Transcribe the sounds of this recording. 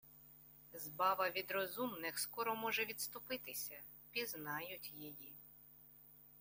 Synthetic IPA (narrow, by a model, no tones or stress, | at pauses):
zbɑʋɐʋʲid̪ɾɔzumnɪxskɔɾɔmɔʒɛʋʲid̪st̪ʊpɪt̪ɪsʲɐ | pʲiznɑjʊtʲjiji